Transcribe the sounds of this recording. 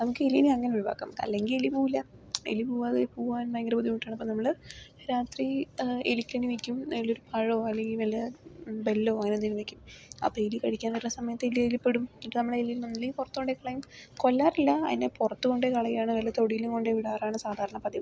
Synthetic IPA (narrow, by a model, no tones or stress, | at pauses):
nɐmukːɨeliniɐŋːɐneuɭba̰ːkːa̰ːmɐ̰lːe̞ŋɡilelipuːilːɐ | ḛlipuːʋaðepuːʋaːnmɐjɡrɐbud̪ːimʈːaːɳɨɐpːoːnɐmːɐɭɨ | ɾaːt̪riḛlikʲːɐɳiʋekʲːumnɐmːɐloɾupʰɐɻoːɐleŋɡilʋɐlːɐbe̞lːo̞ːɐŋːɐnenːinumʋekʲːumɐ̰pːoelikɐɽikʲːaːnʋɐɾunːɐsɐmɐjɐt̪ːelielipːeɽumiʈːɨnɐmːɐɭelinnonːilːepurɐt̪ːuɣo̞ɳɖekɐɭɐjumko̞lːaːɾilːɐɐðinepurɐt̪ːuɣo̞ɳɖekɐɭɐjiaːɳɨʋɐlːɐt̪o̞ɽijilumko̞ɳɖeʋiɽaːraːɳɨsaːd̪ʱaːɾɐɳɐpɐd̪i